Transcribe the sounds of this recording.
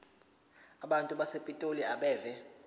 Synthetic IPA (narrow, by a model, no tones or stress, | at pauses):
aɓantʼuɓasepʼitʼoliaɓɛːvɛ